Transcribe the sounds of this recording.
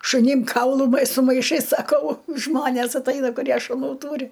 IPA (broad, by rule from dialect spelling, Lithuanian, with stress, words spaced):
ʃʊˈnʲɪm ˈkɐʊlˠʊ mɐ sʊ mɐɪˈʃɐɪs sɐˈkɐʊ ˈʒmoːnʲeːs ɐtˈɐɪnɐ kʊˈrʲiɛ ʃʊˈnuː ˈtuːrʲɪ